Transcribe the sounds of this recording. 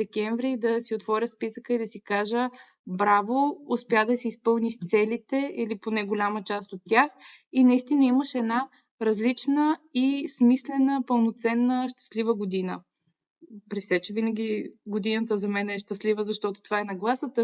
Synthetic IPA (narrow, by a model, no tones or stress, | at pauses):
d̪ɛkʲɛɱvɾid̪ɐsiot̪vɔɾʲəspisəkəid̪ɐsikaʒə | bɾavoʊspjad̪ɐsiispɤlˠniʃt̪sɛlit̪ɛiliponɛɡolʲamət͡ʃast̪ot̪ːʲjax | inɐist̪inəiməʃɛd̪na | ɾɐzlit͡ʃnəismislɛnəpəlˠnot̪sɛnːəʃt̪ɐ̥slivəɡod̪inə̰ | pɾifsɛt͡ʃɛvinəɡʲiɡod̪inət̪əzɐmɛnɛʃt̪ɐslivəzɐʃt̪ɔt̪o̥t̪ovaɛnɐɡlˠasət̪ə